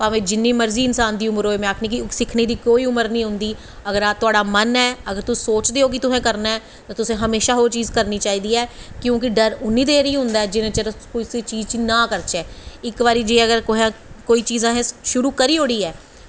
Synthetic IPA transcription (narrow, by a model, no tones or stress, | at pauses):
pãːʋẽːd͡ʒɪnːiːməɾziːɪnsaːnd̪iːʊməɾoːeːmɛ̃ːaːkʰnĩːk̬ɪsɪkʰniːd̪iːkoːiːʊməɾnĩːɦʊ̃nd̪iː | əɡəɾaːt̪ʊaːɖaːmənɛːəɡəɾt̪ʊssoːt͡ʃd̪eːoːk̬ɪt̪ʊsɛ̃ːkəɾnaːɛː | t̪ãːt̪ʊsẽːɦəmeːʃaːɦoːɾt͡ʃiːzkəɾniːt͡ʃaːiːd̪iːɛːkjõːk̬ɪɖəɾʊnːiːd̪eːɾiːɦʊ̃nd̪aːɛːd͡ʒɪnẽːt͡ʃəɾəkʊseːt͡ʃiːzt͡ʃinãːkəɾt͡ʃɛːɪkʋaːɾiːd͡ʒeːəɡəɾkoɦãːkoːiːt͡ʃiːzãːɦɛ̃ʃʊɾuːkəɾiːɦoːɽiːɛː